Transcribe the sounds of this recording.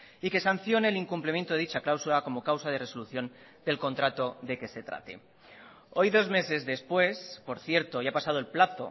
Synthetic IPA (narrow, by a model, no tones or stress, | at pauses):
ike̞san̟θjo̞neːliŋkumplemjent̪oeit͡ʃaklawsulako̞mo̞kawsað̞e̞re̞so̞luθjo̞n | d̪e̞lko̞nt̪ɾat̪o̞ðe̞ke̞se̞t̪ɾa̰t̪e̞̰ | o̞jðo̞zme̞se̞zðe̞spwe̞spo̞ɾθje̞ɾt̪o̞japasað̞o̞e̞lplaθo̞̰